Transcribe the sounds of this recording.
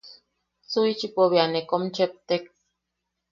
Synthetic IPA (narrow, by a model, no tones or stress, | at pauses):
t͡suit͡ʃipoβianekomt͡ʃep̚t̪ek